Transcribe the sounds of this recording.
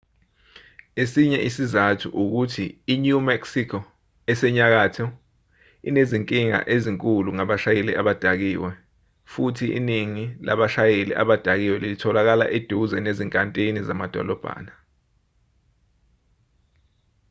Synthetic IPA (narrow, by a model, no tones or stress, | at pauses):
esiɲɛʔisizatʰuʔuk̬utʰiːɲumɛksikʰɔ | ɛsɛɲak̬aːtʰɔ | ineziŋkʼiŋa̰ʔeziŋkʼuluŋaɓaʃajelḭʔaɓad̥ʱak̬iːwɛ | futʰiʔḭniŋila̰ɓaʃajelḭʔa̰ɓad̥ʱak̬iwɛlilitʰɔlak̬ala̰ʔed̥ʱuzɛneziŋkʼantʼinizamad̥ʱɔ̰lɔb̥ʱa̰ːna